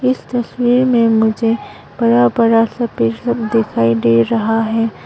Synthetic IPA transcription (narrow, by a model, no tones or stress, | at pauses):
ɪst̪ɐswiːɾmẽmʊd͡ʒʱe | b̥ɐɾabɐɾasɐpɪɾsɐbd̪ɪkʰaːid̪eːɾɐɦaɦɛː